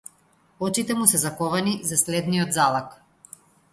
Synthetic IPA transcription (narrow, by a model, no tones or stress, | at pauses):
ɔt͡ʃit̪ɛmusɛzakɔvanizaslɛd̪nijɔd̪zalˠak